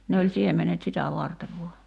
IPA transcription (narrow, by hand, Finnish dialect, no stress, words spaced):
ne olʲ siemenet sitæ ʋɑrteʋ ʋuɑ